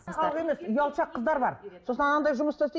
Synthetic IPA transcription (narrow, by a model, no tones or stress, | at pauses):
χɑlˠəʁe̞me̞sʊjɑlˠʃɑqʰːəzd̪ɑɾbɑɾso̞snɑnɑnd̪ɑjʒʊməst̪ɑse